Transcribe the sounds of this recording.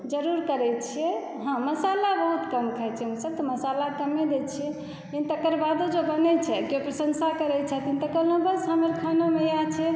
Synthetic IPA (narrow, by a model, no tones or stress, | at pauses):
d͡ʒəɾuɾkəɾɛt͡ʃʰijɛ | ɦə̃məsalabəɦut̪kəmkʰɛɛt͡ʃʰɛmũsəb̚t̪oməsalakəmed̪et͡ʃʰiɛ | int̪əkəɾbad̪od͡ʒobənɛt͡ʃʰɛkiopɾəsənsakəɾɛt͡ʃʰɛt̪int̪əkəlnobəsɦaməɾkʰanomejat͡ʃʰɛ